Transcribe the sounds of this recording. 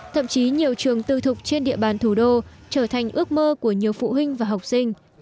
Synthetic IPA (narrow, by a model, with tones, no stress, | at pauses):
t̪ʰə̰˧˨mt͡ɕi˨˦ɲi˨˩əwt͡ɕɨ˨˩əŋt̪ɨ˧˩t̪ʰʊ˨˩k͡p̚t͡ɕe˧nɗḭ˧˨əɓaː˨˩nt̪ʰu˧˩ɗo˧ | t͡ɕəː˧˩t̪ʰa˨˩ŋ̟ʔɨ˦˥ək̚məː˧ku˧˩əɲi˨˩əwfṵ˧˨ɦï˧ŋ̟vaː˨˩ɦa˨˩wk͡p̚sï˧ŋ̟